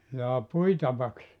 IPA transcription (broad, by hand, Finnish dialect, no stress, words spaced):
jɑː puitɑʋɑks